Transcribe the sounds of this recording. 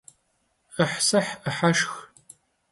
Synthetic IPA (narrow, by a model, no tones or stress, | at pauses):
əħsɐħəħaʃx